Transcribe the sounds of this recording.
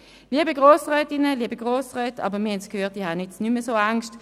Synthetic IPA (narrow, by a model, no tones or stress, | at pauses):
liːəbəɡʁoːsʁɛːtɪnəliəbəɡʁoːsʁɛːtɑ̰ːbəʁmiɐhɛnskʰhøːt̚dihanɪsnyməsoːaŋʃt